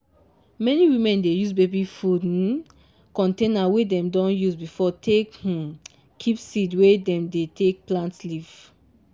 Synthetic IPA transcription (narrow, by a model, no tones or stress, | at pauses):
mɛniwimɛ̃ndejuzbebifud | kɔ̃ntẽnawedɛ̃mdɔ̃njuzbifɔtʰek | kʰipsidwedɛ̃mdetʰek̚plãntsliv